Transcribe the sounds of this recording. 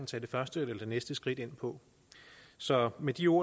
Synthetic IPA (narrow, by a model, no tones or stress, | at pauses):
n̩t͡sʰɛ̰ːde̝fɶɐsd̥əlɐd̥e̝nesd̥əsɡ̥ʁid̥e̝n̰pʰɒ̽ | sɒ̽med̥io̝ɐ̰